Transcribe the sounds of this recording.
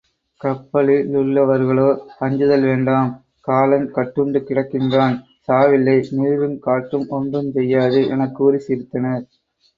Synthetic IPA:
kɐpːɐɭilʊɭːɐʋɐɾɣɐɭoːɐɲd͡ʒɯðɐlʋeːɳɖaːm | kaːlɐnkɐʈːɯɳɖɯkːɪɽɐkːɪndraːn | saːʋɪlːɐɪniːɾɯmkaːʈːɯmɔɳdrɯmsɛjːaːðɯʔɛ̰nɐkːuːɾisiːɾt̪ːɐnɐɾ

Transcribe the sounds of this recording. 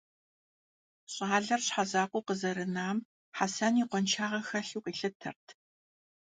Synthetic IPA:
ɕʼaːɮɐrɕħazaːqʷʊqəzɐɾɨnaːm | ħasɐniːqʷɔnt͡ʃʰaːʁɐxɐɬuːqʼiːɬɨtʰɐ̰rtʰ

